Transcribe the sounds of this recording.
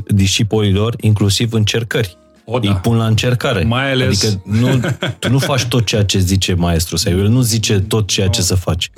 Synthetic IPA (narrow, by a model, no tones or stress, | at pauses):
d̪iʃipolilo̞riŋklusivɨnt͡ʃe̞rkərʲ | ijpunlaɨnt͡ʃe̞rkaɾe̞majadaeikənuunufat͡ʃʲt̪o̞t̪̚t͡ʃe̞jat͡ʃe̞zit͡ʃe̞mae̞st̪ɾusawelnuzit͡ʃe̞t̪o̞t̪̚t͡ʃe̞jat͡ʃe̞səfat͡ʃʲ